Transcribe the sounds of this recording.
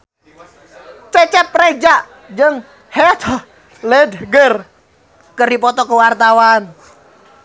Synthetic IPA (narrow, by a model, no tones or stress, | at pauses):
t͡ʃɛt͡ʃɛpːred͡ʒaʔ | d͡ʒəŋ | hɛt̪ʰ | led̪ɡər | kərdipɔt̪ɔkəwart̪awan